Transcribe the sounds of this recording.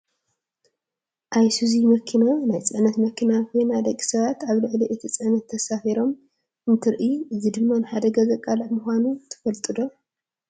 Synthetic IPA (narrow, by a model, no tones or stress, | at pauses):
ʔajsuzimɐkʰinanajt͡sʼɨʕnɐt̪mɐkʰinakʰojnad̪ɐkʼːi̥sɐβat̪aβlɨʕliʔɨt̪ʰit͡sʼɨʕnɐt̪ʰːɐsafiɾo̞m | ʔɨnt̪ʰɨɾʔiɨzid̪ɨmːanɨħad̪ɐɡɐzɐkʼalamuxʷanut̪ʰɨ̥fɐlt̪ʼɨd̪o̞